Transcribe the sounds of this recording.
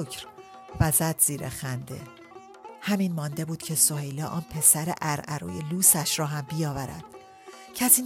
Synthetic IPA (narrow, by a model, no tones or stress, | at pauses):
kɾ | væzæd̪̥z̥iːɾḛxænd̪e̞̰ | hæmiːnmɒːnd̪e̞buːd̪cʰe̞sohejlɒːʔɒːnpʰe̞sæɾḛʔæɾʔæɾṵːjeluːsæʃɾɒːɦæmbijɒːvæɾæ̰d̪̥ | cʰæsiːn